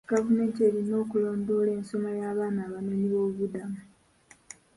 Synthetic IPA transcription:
ɡ̥avume̞ːntie̞ːɾino̞ːkuloːndo̞ːle̞ːnso̞majaːβaːnaːβameniβo̞ːβudamu

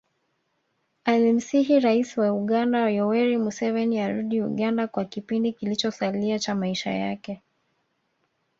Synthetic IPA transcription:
alim̩siɦiɾaisiwauɠandajɔwɛɾimusɛvɛniaɾuɗiuɠandakwakipindikilit͡ʃɔsaliat͡ʃamaiʃa̰ja̰kɛ

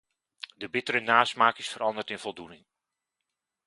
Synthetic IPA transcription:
dəbɪtəɾənaːsmaːkɪsfəɾɑndəɹtɪnv̥ɔlˠdunɪŋ

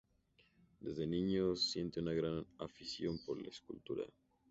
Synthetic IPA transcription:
d̪ezðenĩɲosje̞nt̪eunaɣɾanafisjo̞mpoɾla̰eskult̪uɾa̰

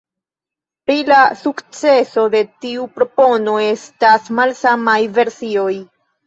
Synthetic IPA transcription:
pɾilasukt͡se̞so̞de̞tiupɾo̞po̞no̞e̞stasmalsamajve̞ɾsio̞j

